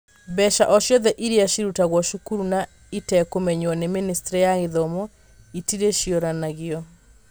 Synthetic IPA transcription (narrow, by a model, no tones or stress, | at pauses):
bɛʃa̰ʔɔʃjɔðɛʔiɾeaʃiɾutaɣwɔʃukuɾuna | itɛkomɛɲwɔneministeɾijaɣeðɔmɔ | itiɾeʃiɔɾanaɣeɔ